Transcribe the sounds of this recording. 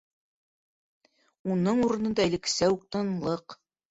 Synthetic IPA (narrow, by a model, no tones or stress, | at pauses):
unɤɴuɾɤ̆nɤ̆nd̪ɑɘ̆lɘ̆ksæwuq̚t̪ɑnlˠɤq